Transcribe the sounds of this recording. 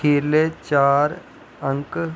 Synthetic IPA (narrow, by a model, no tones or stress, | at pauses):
eːlet͡ɕaːɾ | əŋk